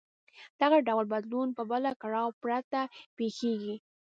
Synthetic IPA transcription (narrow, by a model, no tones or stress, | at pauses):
d̪̥aɣaɖawlbad̪lunpəbəlakaɽɑwpɾat̪apexeɡi